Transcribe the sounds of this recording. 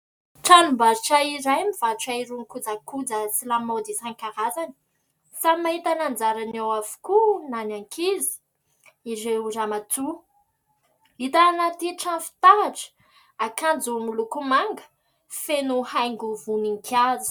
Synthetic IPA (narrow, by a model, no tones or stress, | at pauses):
ʈ͡ʂanumbaɾiʈ͡ʂaiɾajmiv̥aʈ͡ʂaiɾuŋkud͡zakud͡zasilamod̪isaŋkaɾazani̥ | samaɦit̪anand͡zaɾanawavu̥kunanaŋkʰizi̥ | iɾeuɾamat͡su | it̪anat̪iʈ͡ʂafi̥t̪aʈ͡ʂə̥ | akand͡zumilukumaŋɡə̥ | fenuhajŋɡuvuniŋkʰazi̥